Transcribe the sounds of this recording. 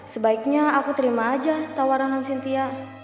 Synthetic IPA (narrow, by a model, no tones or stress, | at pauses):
səbaik̚ɲaakut̪əɾimaːd͡ʒat̪awaɾanansint̪ia